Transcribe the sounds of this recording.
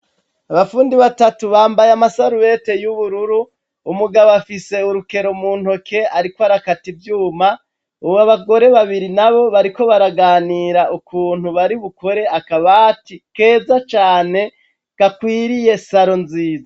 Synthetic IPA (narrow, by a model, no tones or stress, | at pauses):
aβafuːndiβatatuβaːmbajamasaɾuwe̞te̞juβuɾuɾuː | muɡaβafise̞uɾuke̞ɾo̞muːn̥ho̞kʰe̞aɾikwaɾakativjuːma | uβaβaɡo̞ɾe̞βaβiɾinaβo̞βaɾiko̞βaɾaɡaːniːɾaʔukuːn̥huβaɾiβukoɾe̞akaβatike̞ːzat͡ʃaːne̞ | kakwiːɾije̞saɾo̞nziːza